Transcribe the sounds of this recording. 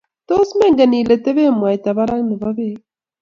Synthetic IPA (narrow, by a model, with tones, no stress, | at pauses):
t̪o˦smɛ˦ŋɡa˨ni˨le˨t̪e˦βe˦mwa˨jt̪a˨βa˦ɾa˦ŋnɪ˨βa˦βe˦